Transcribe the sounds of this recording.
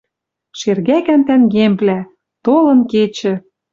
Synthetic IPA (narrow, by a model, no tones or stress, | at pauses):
ʃerɣækænt̪ænɡemplæ | t̪olɤ̆nket͡ɕɘ̆